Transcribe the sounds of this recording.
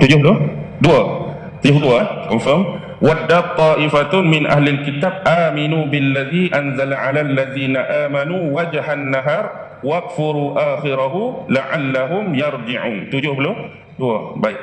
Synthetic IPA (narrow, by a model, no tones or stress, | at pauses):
t̪ud͡ʒuːhloduwa | t̪ifd̪uwamfam | wad̪ːaːt̪ˤːɑːʔɪfat̪mɪnʔa̰hlalkɪt̪aːb̚ʔaːmɪnuːbɪlːaðiːʔanzalʕalalːaðiːnaʔaːmanuːwad͡ʒhanːaɦɑːɾˤ | wɑɡfʊɾuːʔaːxɪɾaɦʊlaʕalːaɦʊmjɑɾˤd͡ʒɪʕuːnt̪ʊd͡ʒuːhblo | dʊwabaj